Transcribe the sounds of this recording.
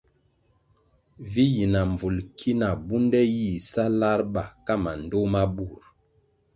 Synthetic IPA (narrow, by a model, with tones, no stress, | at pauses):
vi˦ji˨na˨ɱvu˨lkʰi˦na˨bu˦ndɛ˦ji˦˨sa˦la˦ɾɓa˨ka˦ma˨n˨do˦ma˦bu˨ɾ